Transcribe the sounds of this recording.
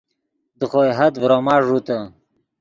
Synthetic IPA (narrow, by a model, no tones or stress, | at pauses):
d̪əχojɦɐd̪vɾomaːʐut̪ə